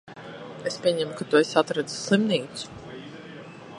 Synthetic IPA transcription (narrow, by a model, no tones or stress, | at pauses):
espʲiɛɲɛmukat̪uesʲat̪ɾɛd̪zu̥slˠimniːt̪su̥